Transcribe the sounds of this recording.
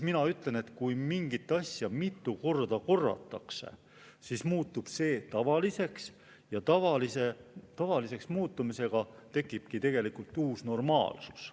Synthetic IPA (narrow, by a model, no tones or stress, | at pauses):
sminɑyt̪ˑle̞ne̞t̪kujmiŋɡ̥it̪ˑːɑsʲjɑmit̪ːˑuko̞rd̪̥ɑko̞rːɑ̰t̪ːˑɑ̰kse̞̰ | sismuːt̪ːˑub̥se̞ːt̪ɑvɑlise̞ks | jɑt̪ɑvɑlise̞t̪ɑvɑlise̞ksmuːt̪ːˑumise̞ɡ̥ɑt̪e̞kːˑib̥̚kit̪e̞ɡ̥e̞likult̪ːuːsno̞rmɑ̰ːlsu̥s